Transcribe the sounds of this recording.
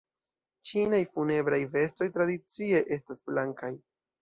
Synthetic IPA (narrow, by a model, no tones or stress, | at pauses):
t͡ʃinajfune̞bɾajve̞sto̞jtɾadit͡sie̞ʔe̞stasblaŋkaj